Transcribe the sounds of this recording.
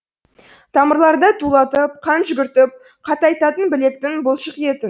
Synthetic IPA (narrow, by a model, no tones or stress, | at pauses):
t̪ʰɑməɾlˠɑɾd̪ɑt̪ʰulˠɑt̪əp̚qʰɑnʒʏɡʲɪɾt̪ɪp̚ | qʰɑt̪ɑjt̪ɑt̪ənbɪle̞k̚t̪ɪŋbʊlˠʃəqje̞t̪ɪn